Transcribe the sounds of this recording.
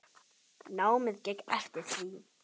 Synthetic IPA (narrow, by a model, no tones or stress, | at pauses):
naːwmɪðcɛkɛft̪ɪ̥θiː